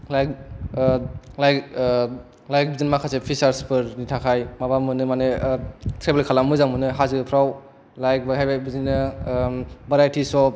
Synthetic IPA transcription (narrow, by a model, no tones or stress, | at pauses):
lajk | lajk | lajk̚bizinmakʰasepʰisaɾspɯɾnitʰakʰajmabamɯnɯmanetʰɾebelkʰalamɯzaŋmɯnɯɦazɯɡɯpʰɾaw | lajk̚baɦajbabizinɯ | bɐɾajtʰisɔp̚